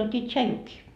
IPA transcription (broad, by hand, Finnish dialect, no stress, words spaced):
juotʲiː tʃɑjukiː